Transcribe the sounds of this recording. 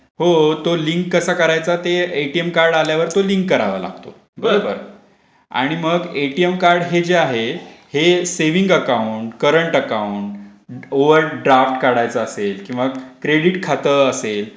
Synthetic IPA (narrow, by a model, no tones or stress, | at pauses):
hot̪oliŋkːəsakəɾajt͡sat̪eeʈiemkaɾɽaljaʋəɾt̪oliŋkːəɾa̰ʋə̰la̰ɡ̚t̪o | bəɾobə̰ɾ | a̰ɽ̃iməɡeʈiemkaɾɽɦed͡ʑeaɦeheseʋiŋɡəkauɳʈkəɾəɳʈəkauɳʈ | oʋəɾɖɾafʈkaɽajt͡saːselkĩw̃ʋakɾeɽiʈkʰat̪əəsel